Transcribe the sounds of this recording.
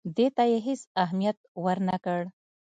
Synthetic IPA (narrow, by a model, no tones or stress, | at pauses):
d̪et̪ajeɦesaɦmijat̪̚wəɾnakəɽ